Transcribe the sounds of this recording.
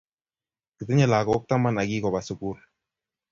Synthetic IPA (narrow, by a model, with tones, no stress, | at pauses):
ki˨t̪i˦ɲe˦˨la˨kɔ˨ʊ˦k̚t̪a˦ma˦na˨ɡi˦kɔ˨ba˨su˨ku˦r